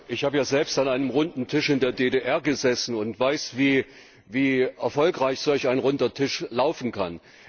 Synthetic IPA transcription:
ʔɪçhaːbəjaːzɛlpstanʔaɪnəmʁʊndn̩tʰɪʃɪndeːɐdedeʔɛɐɡəzɛsn̩ʊntv̥aɪsviː | viːʔɛɐfɔlkʁ̥aɪçz̥ɔlçaɪnʁʊndɐtʰɪʃlaʊfn̩kʰa̰n

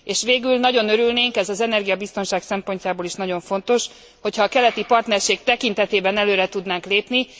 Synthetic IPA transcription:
eːʃʋeːɡylnɒɟo̞nøɾylneːŋkɛzɒzɛnɛrɡijɒbist̪o̞nʃaːksɛmpo̞ɲcaːboːliʃnɒɟo̞ɱfo̞n̪t̪o̞ʃ | ho̞cʰhɒːkɛlɛt̪ipɒrt̪nɛrʃeːɡt̪ɛkint̪ɛt̪eːbɛnɛløːɾɛt̪ud̪naːŋkleːpni

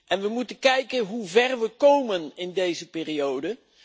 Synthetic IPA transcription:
ʔɛnʋəmutənkɛjkənɦuvɛrʋəkowmənɪndejzəpɪːriowdə

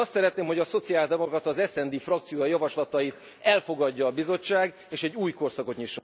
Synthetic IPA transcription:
ɒst̪sɛɾɛt̪neːmɦo̞ɟɒso̞t̪siaːld̪ɛmokrɒt̪ɒzɛsɛnd̪iːfrɒk̚t̪sijoːjɒjɒvɒʃlɒt̪ɒjit̪ | ɛlfo̞ɡɒɟːɒːbizo̞t͡ʃːaːɡ | eːʃɛɟːuːjko̞rsɒko̞t̪ɲiʃːo

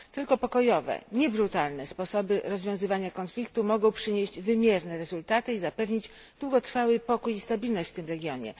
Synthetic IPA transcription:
t̪ɘlkɔpɔkɔjɔvɛ̰ɲɛbɾut̪alnɛspɔsɔbɘɾɔzvʲjɔ̃w̃zɘvaɲakɔnflʲikt̪umɔɡɔ̃w̃pʂɘɲeʑd͡ʑvɘmʲjɛɾnɛɾɛzult̪at̪ɘizapɛvɲid͡ʑ | d̪̥wuɡɔt̪ɾfawɘpɔkujist̪abʲilnɔɕt͡ɕft̪ɘmɾɛɡʲjɔɲɛ̰

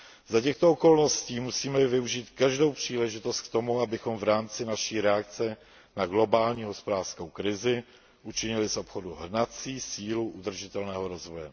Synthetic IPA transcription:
zacɛxt̪ooko̞lno̞sciːmusiːmɛvɪuʒiːt̪kaʒdo̞wpr̥iːlɛʒɪt̪o̞st̪̚k̚t̪o̞muabɪxo̞mvɾaːmt͡sɪnaʃiːɾɛak̚t͡sɛ | naɡlo̞baːlɲiːɦo̞spodaːr̥skowkɾɪzɪ | ʔut͡ʃɪɲɪlɪsʔo̞pxoduɦr̩nat͡siːsiːluʔud̪r̩ʒɪt̪ɛlnɛːɦoɾo̞zvojɛ

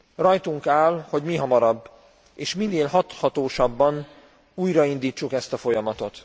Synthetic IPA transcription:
rɒjt̪uŋkaːlho̞ɟmiɦɒmɒɾɒbː | eːʃminːeːlɦɒt̪hɒt̪oːʃɒbːɒn | uːjɾɒind̪iːt͡ʃːukɛst̪ɒfo̞jɒmɒt̪o̞t̪

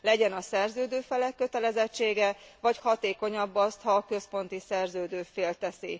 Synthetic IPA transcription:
lɛɟɛnɒsɛrzøːd̪øːfɛlɛkːø̞t̪ɛlɛzɛt͡ʃːeːɡɛvɒchɒt̪eːko̞ɲɒbːɒst̪hɒkø̞spo̞nt̪isɛrzøːd̪øːfeːlt̪ɛsi

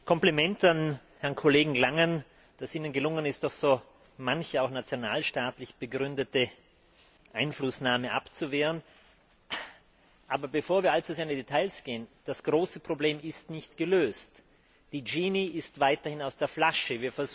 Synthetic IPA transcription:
kʰɔmplimɛntan | hɛɐʁnkʰoleːɡŋ̩ɡlaŋən | d̥asiːnənɡəlʊŋənɪstd̥ɔxz̥oː | mançəaʊxnat͡sjonaːlʃtaːtlɪçb̥əɡʁʏndətə | ʔaɪnflʊsnaːməʔa̰pt͡suveːʁən | ʔaːbɐbəfoːɐviːɐalt͡suzeːɐɪndidetʰaɪlsɡ̥eːənd̥asɡ̥ʁoːsəpʁ̥obleːmɪstnɪçtɡ̥əløːst | d̥iːd͡ʒiːniɪstv̥aɪtɐhɪnaʊsd̥eːɐflaʃəviːɐfɛɐz

